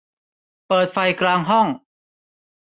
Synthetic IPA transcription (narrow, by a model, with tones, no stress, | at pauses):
pɤː˨˩t̪̚fa˧jkɾaː˧ŋɦɔ˥˩ŋ